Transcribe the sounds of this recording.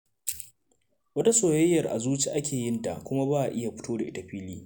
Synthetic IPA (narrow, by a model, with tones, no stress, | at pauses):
wɐ˦ta˦soː˨jɐ˦jːɐ˨rʔa̰˨zuː˦t͡ʃi˦˨ʔa˦kʲeː˨jɪ˦nta̰˨kʷʊ˦ma˦baː˦ʔa˨ʔɪ˦ja˨ɸʊ̥˦toː˦da˨ʔɪ˦ta˨ɸiː˦liː˦